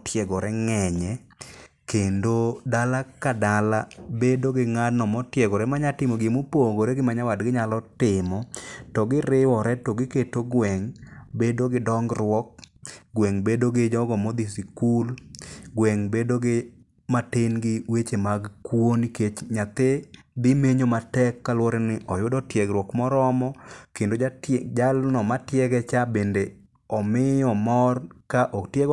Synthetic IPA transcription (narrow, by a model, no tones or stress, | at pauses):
tʰjɛɡɔɾɛŋɛɲɛ | kendodalakadalabedoɡɪŋadnɔmɔtjɛɡɔɾɛmaɲatɪmoɡɪmupoɡoɾeɡɪmaɲawadɡɪɲalɔtɪmɔtɔɡɪɾɪwɔɾɛtɔɡɪketoɡwɛŋbedoɡɪdɔŋɡɾwɔk̚ɡwɛŋbedoɡɪd͡ʒɔɡɔmɔd̪isikulɡwɛŋbedoɡɪ | matenɡɪwet͡ʃemaɡkwoniket͡ʃɲat̪e | d̪ɪmeɲomatɛkːalwɔɾɪnɪʔɔjʊdɔtjɛɡɾwɔkmɔɾɔmɔkendod͡ʒalnɔmatjɛɡɛt͡ʃabende | ɔmɪjɔmɔrkaʔɔktjeɡ